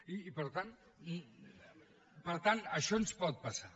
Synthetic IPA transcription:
iːpəɾt̪an | pəɾt̪anəʃɔnspɔt̪̚pasa

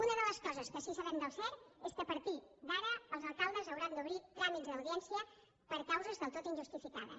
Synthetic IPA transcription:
unəðələskɔzəskəʃisəβɛmd̪əwsɛɾeskəpəɾt̪id̪aɾəːlˠzəlˠkalˠd̪əzəwɾand̪uβɾit̪ɾamizðəwðiɛnsiə | pəɾkawzəzðəlˠt̪ot̪inʲʒust̪ifikaðə̰

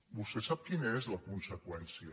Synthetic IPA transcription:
bust̪esap̚kinəɛzləkunsəkwɛnsiə

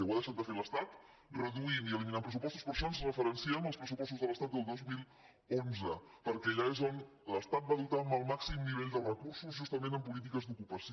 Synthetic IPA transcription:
ɛwaðəʃat̪̚d̪əfeɾləst̪at̪ | rəðuiniəliminampɾəsupɔst̪uspəɾsonsrəfəɾənsiaməlˠspɾəsupɔst̪uzðələst̪at̪d̪əlˠd̪ozmilˠ | onzə | pəɾkɛʎaezon | ləst̪at̪̚baðut̪aəməlˠmaksimniβ̞eʎd̪ərəkursuzʒust̪əmẽnəmpulit̪̬ikəzd̪ukupəs

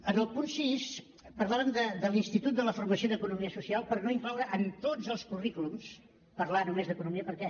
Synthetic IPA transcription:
ənəlˠpunsis | pəɾlˠaβəmd̪əd̪əlinst̪it̪ut̪̚d̪ələfurməsioðəkunumiəsusialˠpəɾnoifawɾəʔənt̪od͡zəlˠskurikulums | pəɾlanumezðəkunumiəpəɾkɛ

